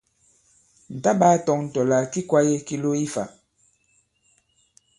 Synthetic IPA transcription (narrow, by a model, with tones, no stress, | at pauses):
n̩˨ta˦ɓa˦tɔ˨ŋn̩˨tɔ˨la˨ki˦kwa˦je˦ki˦lo˦i˦fa̰˨